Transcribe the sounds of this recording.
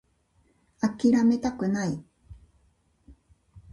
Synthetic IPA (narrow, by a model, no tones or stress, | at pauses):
akiɾamet̪akɯnai